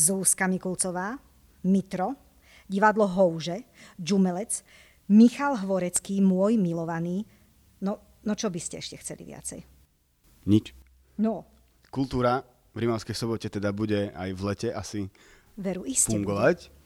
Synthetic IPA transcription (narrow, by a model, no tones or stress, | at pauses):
zuːskamikult͡sɔʋaː | mit̪ɾɔ | ɟiʋad̪lɔɦɔʊʒɛd͡ʒumɛlɛt͡s | mixalɦʋɔɾɛt͡skiːmʊɔjmilɔʋaniː | nɔ | nɔt͡ʃɔbiscɛɛʃcɛxt͡sɛlḭʋɪa̰t͡sɛ̰j | ɲit͡ʃ | nɔ | kult̪uːɾa | vɾimaʊskɛjsɔbɔcɛt̪ɛd̪abuɟɛa̰jvlɛcɛʔasi | ʋɛɾuʔiscfuɛŋɡɔʋac